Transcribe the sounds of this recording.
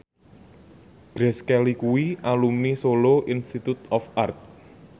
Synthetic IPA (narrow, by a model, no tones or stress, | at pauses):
ɡ̥ɾɛskɛlikuwiʔalumisoloʔinst̪it̪ut̪ɔfart̪̚